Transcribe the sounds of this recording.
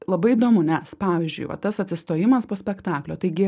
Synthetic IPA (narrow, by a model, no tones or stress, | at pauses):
lˠɐbɐɪid̪oːmʊnʲɛspɑːʋʲɪzʲd͡ʒʲʊ̰ɪʋɐ̰t̪ɐsɐt̪ʲsʲɪst̪oːjɪmɐspoːsʲpʲɛkt̪ɑːklʲoːt̪ɐɪɡʲɪ